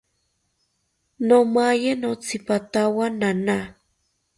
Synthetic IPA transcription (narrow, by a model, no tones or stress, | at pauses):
nomajenot͡sʰipat̪awanana